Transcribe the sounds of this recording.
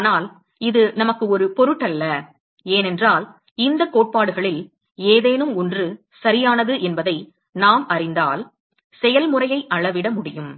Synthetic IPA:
aːnaːl | ɪðɯnɐmɐkːɯɔɾɯpɔɾɯʈːɐlːɐ | eːnɛndraːl | ɪnd̪ɐkːoːʈ̚paːɽɯɣɐɭɪl | eːðeːnɯmɔndrɯ | sɐɾɪjaːnɐðɯʔɛnbɐðɐɪ | naːmɐrɪnd̪aːl | sɛjɐlmɯrɐjɐɪʔɐɭɐʋɪɽɐmʊɽɪjɯm

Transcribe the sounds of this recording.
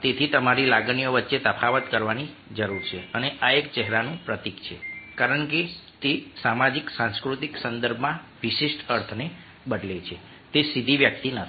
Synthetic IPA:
t̪et̪ʰit̪əmaɾilaɡnijoʋətːʃet̪əpʰaʋət̪kəɾʋani | d͡ʒəɾuɾt͡ʃʰeəneʔaekt͡ʃɛɦɾanũpɾət̪ikt͡ʃʰekaɾəɳket̪esamad͡ʒiksãnskɾut̪iksənd̪əɾbʱmãʋiʃiʃʈəɾt̪ʰne | bəɖlet͡ʃʰe | t̪esid̪ʱiʋjək̚t̪inət̪ʰ

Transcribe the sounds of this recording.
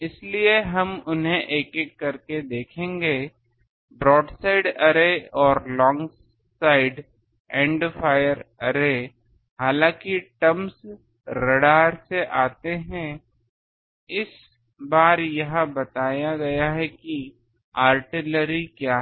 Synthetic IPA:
ɪslieɦɐmʊnɦẽʔeːkekːɐɾked̪eːkʰẽːŋɡeː | bɾɔːɖsaːɪɖɐɾeɔːɾlɔ̃ːŋɡ | saːɪɖ | ɛ̃ːɳɖfʰaːjəɾɐɾe | haːlãːkiʈɐms | ɾɐɽaːɾseʔaːt̪eɦɛ̃ | ɪs | baːɾjɐɦãbɐt̪aːjaɡɐjaɦɛki | aːɾʈɪləɾikjaː

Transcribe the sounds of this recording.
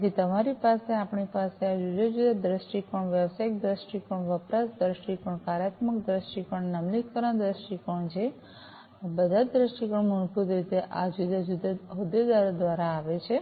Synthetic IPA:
d͡ʒ̪it̪əmaɾipaseapɳipasead͡ʒud̪ad͡ʒud̪ad̪ɾəsʈikɔɳʋjəʋsajk̚d̪ɾəsʈikɔɳʋəpɾasd̪ɾəsʈikɔɳkaɾjat̪mək̚d̪ɾəsʈikəɳnəmlikkəɾad̪ɾəsʈikɔɳt͡ʃʰe | bəd̪ʱad̪ɾəsʈikəɳmunpud̪ɾit̪eʔa̰d͡ʒud̪ad͡ʒud̪aəud̪ed̪aɾod̪ʋaɾaːʋet͡ʃʰe

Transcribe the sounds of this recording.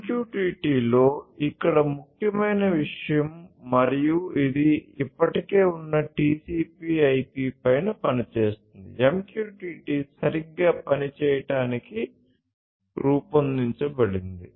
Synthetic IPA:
mkjuːʈiːʈiːlo̞ːikːɐɽɐmukʰjɐmɐjnɐʋiʂɐjɐmːɐɾijuid̪iipːɐʈike̞ːunːɐʈiːsiːpiːɐjpiːpɐjnɐpɐnit͡ʃeːst̪und̪ḭemkjuːʈiːʈiːsɐɾiɡːaːpɐnit͡ʃɛːjɐʈaːniki | ɾuːpɐnd̪iɲt͡ʃɐbɐɽind̪i

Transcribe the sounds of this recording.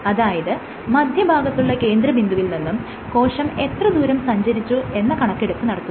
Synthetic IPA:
ɐðaːjɐðɨ | mɐd̪ʱjɐbʱaːɡɐt̪ːuɭːɐke̞ːnd̪ɾɐbʱind̪uʋilninːum | ko̞ːʂɐme̞t̪rɐd̪uːɾɐmsɐɲd͡ʑɐɾit͡ɕːue̞nːɐkɐɳɐkːeɽup̪ːɨnɐɽɐt̪ːu

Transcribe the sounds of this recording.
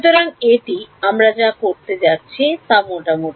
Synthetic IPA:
ʃut̪oɾaŋeʈiamɾad͡ʑakoɾt̪ed͡ʑatːɕʰit̪amoʈamoʈ

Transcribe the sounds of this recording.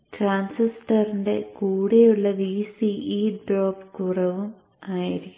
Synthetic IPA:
ʈraːnsisʈɐrinde̞kuːɽejuɭːɐʋiːsiʔiːɖroːpkurɐʋum | aːjiɾikʲː

